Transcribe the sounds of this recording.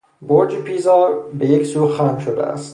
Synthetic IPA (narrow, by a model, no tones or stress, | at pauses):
boɾd͡ʒipʰiːzɒːɾbejeksuːxæmʃod̪ḛʔæ̰st̪